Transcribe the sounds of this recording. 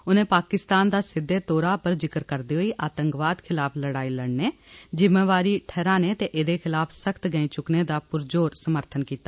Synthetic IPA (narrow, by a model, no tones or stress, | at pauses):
ʊnẽːpaːkɪst̪aːnd̪aːsɪd̪ːeːt̪oːɾaːpəɾd͡ʒɪkəɾkəɾd̪iːɦoːiːʔaːt̪əŋkʋaːd̪kʰɪlaːpʰləɽaːiːləɳneːd͡ʒɪmeːʋaːɾiːʈʰɛːɾãːneːt̪eːʔeːd̪eːkʰɪlaːpʰsəkʰt̪ɡəĩːt͡ʃʊkneːd̪aːpʊɾd͡ʒoːɾsəməɾt̪ʰənkiːt̪aː